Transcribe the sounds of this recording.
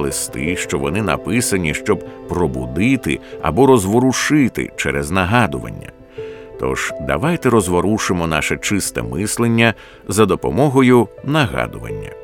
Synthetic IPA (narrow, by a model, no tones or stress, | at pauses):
lˠɪst̪ɪʃt͡ʃɔʋɔnɪnɐ̰pɪsɐnʲiʃt͡ʃɔb̚pɾɔbʊd̪ɪt̪ɪ̰ɐ̰bɔɾɔzʋɔɾʊʃɪt̪ɪ̰t͡ʃɛɾɛznɐɦɑd̪ʊʋɐ̰nʲːɐ̰ | t̪ɔ̰ʒ̥d̪ɐ̰ʋajt̪ɛɾɔzʋɔɾuʃɪmɔna̰ʃɛt͡ʃɪst̪ɛ̰mɪslˠenʲːɐ | zɐd̪ɔpɔmɔɦɔjʊnɐɦɑ̰d̪ʊʋɐ̰nʲːɐ̰